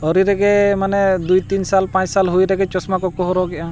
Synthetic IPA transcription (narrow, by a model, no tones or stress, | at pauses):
ɔɾiɾɛɡɛmanɛd̪ujt̪insalpãt͡ʃsalɦujɾɛɡɛt͡ʃɔsmakɔkɔɦɔɾɔɡɛʔã